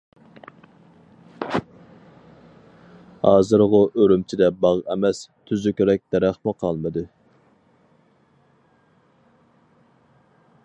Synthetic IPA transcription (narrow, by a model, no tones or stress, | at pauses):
hɑːzɨɾʁʊʔøɾymt͡ʃʰid̪ɛbɑʁɛmɛst̪ʰyzykʲɾɛk̚ʲd̪̥ɛɾæχmuqʰɑlˠmɨd̪ɨ